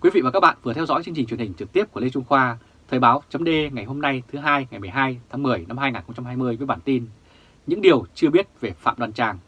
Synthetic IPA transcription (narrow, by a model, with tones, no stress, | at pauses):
kwi˨˦vḭ˧˨vaː˨˩kːaː˦˥ɓa̰ː˧˨nvɨ˨˩ət̪ʰɛ˧wzɔ̰˧˥jt͡ɕɨ˧ŋt͡ɕi̟˨˩t͡ɕi˨˩ə˩˨hï˨˩ŋ̟t͡ɕɨ˨˩kt̪i˦˥əp̚ku˧˩əle˧t͡ɕʊ˧ŋ͡mxwaː˧ | t̪ʰəː˨˩jɓaː˨˦wt͡ɕə˨˦mɗe˧ŋa˨˩jɦo˧mna˧jt̪ʰɨ˨˦ɦaː˧jŋa˨˩jmɨ˨˩əjɦaː˧jt̪ʰaː˨˦ŋmɨ˨˩əjna˧mhaː˧jŋaː˨˩nxə˧ŋ͡mt͡ɕa˧mɦaː˧jmɨ˧əjvəː˨˦jɓaː˧˩nt̪i˧n | ɲɨ̰˧˥ŋɗi˨˩əwt͡ɕɨ˧əɓi˦˥ət̚ve˨˩fa̰ː˧˨mɗwaː˨˩nt͡ɕaː˨˩ŋ